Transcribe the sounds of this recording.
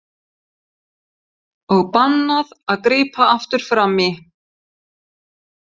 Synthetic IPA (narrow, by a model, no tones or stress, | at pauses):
ɔɣpanːaðaðkɾiːpaaft̪ʏɾ̥fɾamɪ